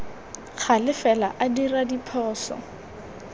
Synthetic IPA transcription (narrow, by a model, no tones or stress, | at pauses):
χʰalɪfɛla̰ʔadiradipʰɔːsɔ̰